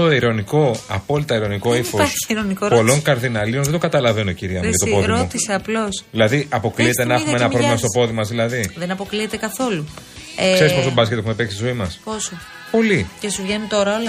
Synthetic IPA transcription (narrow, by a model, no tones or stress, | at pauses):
oiɾo̞niko̞ɐpo̞lit̪ɐiɾo̞niko̞ifoɾi̥iɾonikopolo̞ŋkɐɾðinɐlionðed̪oŋɡɐt̪ɐlɐvenociɾiɐmuʝɐt̪opo̞ðiɾout̪iseɐplo̞sðilɐðiʔɐpo̞kliet̪enɐexumeenɐpɾovlimɐst̪o̞po̞ðimɐzðilɐðiðenɐpo̞kliet̪e̞kɐθo̞lu | kse̞ɾisposot̪obɐskʲet̪exume̞peksi̥sizoimɐsposo | po̞licesuvʝenunt̪o̞ɾɐolɐ